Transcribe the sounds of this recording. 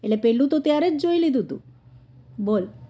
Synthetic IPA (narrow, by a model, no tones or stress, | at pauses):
elepeɭut̪ot̪jaɾet͡sd͡ʑoilid̪ʱut̪ṵ | bol